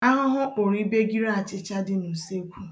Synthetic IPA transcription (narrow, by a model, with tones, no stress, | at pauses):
a˦ɦʊ˦ɦʊ˦k͡pʊ˨ɾi˦be˦ɡi˦ɾa˦a˨t͡ʃɪ˨t͡ʃa˦dɪ˦nu˨se˦kʷu˦